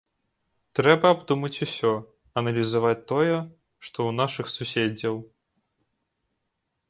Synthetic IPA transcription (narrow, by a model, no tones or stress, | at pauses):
t̪ɾɛbɐːbd̪umɐt͡sʲusʲɔ | ɐnɐlʲizavat͡sʲt̪ɔjɛ | ʂt̪ɔunaʂɨxsusʲed͡zʲɐw